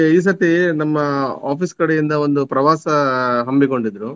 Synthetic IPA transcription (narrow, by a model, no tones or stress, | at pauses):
iːs̬ɐt̪ːinɐmːɐaːpiːskɐɽejind̪ɐo̞nd̪upɾɐʋaːsɐɦɐmbiko̞ɳɖid̪ɾu